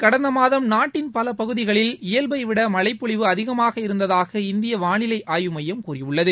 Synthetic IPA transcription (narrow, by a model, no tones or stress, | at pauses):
kɐɽɐnd̪ɐmaːðɐmnaːʈːɪnpɐlɐpɐɣɯðɪɣɐɭɪlɪjɐlbɐɪʋɪɽɐmɐɭɐɪpːʊɭɪʋɯɐðɪɣɐmaːɣɐɪɾɯnd̪ɐðaːɣɐɪnd̪ɪjɐʋaːɳɪlɐɪʔaːjɯmɐjɐmkuːrɪʋɯɭːɐðɯ